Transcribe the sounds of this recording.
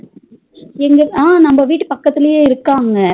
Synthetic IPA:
ɛŋɡɐaːnɐmbɐʋiːʈːɯpɐkːɐt̪ːɪlɐjeːɪɾɯkːaːŋɡɐ

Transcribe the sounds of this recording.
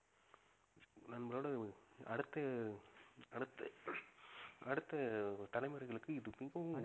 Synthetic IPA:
nɐnmɐɾoːɽɐɐɽɯt̪ːɐ | ɐɽɯt̪ːɐ | ɐɽɯt̪ːɐt̪ɐlɐɪmɐɾɣɐɭɯkːɯɪðɯpːɪŋɡɐ̃

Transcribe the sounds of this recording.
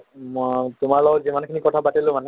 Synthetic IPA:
mtʊmaɹlɔwzimankʰinikɔtʰapatilʊ̃mane

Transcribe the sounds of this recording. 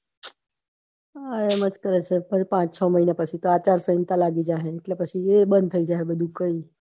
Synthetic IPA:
aeməd͡ʒkəɾet͡ʃʰefəɾipãt͡ʃt͡ʃʰɔməɦinapət͡ʃʰit̪oat͡ʃaɾsəint̪alaɡid͡ʒaɦeːʈlepət͡ʃʰiebənd̪̚t̪ʰəid͡ʒaɦebəd̪ʱũkəi

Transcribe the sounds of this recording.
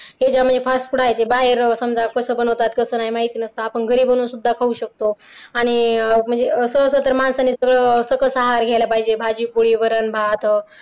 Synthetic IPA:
ɦed͡ʑam̤əɳnd͡zepʰasʈpuɽajet̪ebaɦeɾsəmd͡zakəsəbənəwt̪at̪kəsəːnaɦimaɦit̪iːnəst̪aːpəɳɡʱəɾiːbʱəñuːnsud̪ʱːakʰəuɕək̚t̪oaɽ̃im̤əɳnd͡zeəsəːsət̪əɾmansanːisəɡɭəsəɡəsəɦaɾɡʱajlapaɦid͡ʑebʱad͡ʑiːpuɽiːʋəɾanbʱat̪

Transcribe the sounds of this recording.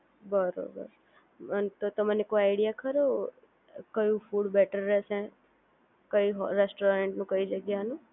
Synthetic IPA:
bəɾo̰bə̰ɾ | ənt̪ot̪əmanekoaɪɽijakəɾo | kəjũfuɽbɛʈəɾːɛʃe | kəiɦɾesʈoɾeɳʈnũkəid͡ʒəɡjanũ

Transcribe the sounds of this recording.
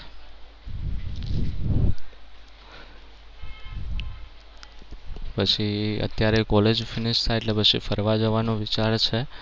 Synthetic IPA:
pət͡ʃʰiə̰t̪jaɾekɔled͡ʒfinɪʃt̪ʰaeʈlepət͡ʃʰifʰəɾʋad͡ʒəʋanoʋit͡ʃaɾt͡ʃʰe

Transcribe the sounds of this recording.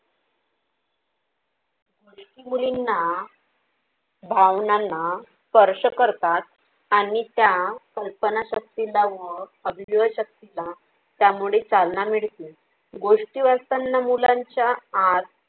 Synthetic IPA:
ɡoʂʈimulinːa | bʱaʋnana | pəɾɕəkəɾt̪at̪̚ | aɽ̃it̪jakəlpənaɕək̚t̪ilaʋəəb̪ʱʋiʋəɕək̚t̪ila | t̪jamuɭet͡salnamiɭt̪i | ɡoʂʈiʋast̪anːamulaɲt͡ɕjaːd̪

